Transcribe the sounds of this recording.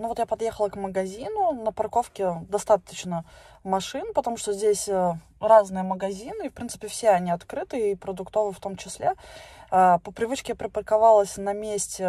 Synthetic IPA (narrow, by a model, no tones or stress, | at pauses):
novo̞t̪japɐd̪jexəlˠəkməɡɐzʲinʊnəpɐrko̞fkʲɪd̪ɐst̪at̪ə̥t͡ɕnə | mɐʂɨnpət̪ɐmuʂt̪ozʲdʲesʲə | raznɨjəməɡɐzʲinɨifpɾʲint̪sɨ̥pʲɪfsʲeɐnʲiɐt̪kɾɨt̪ɨipɾəd̪ʊkt̪ovɨft̪o̞mt͡ɕɪsʲlʲeapəpɾʲɪvɨt͡ɕkʲɪjapɾʲɪpərkɐvalˠəsʲnɐmʲesʲtʲɪ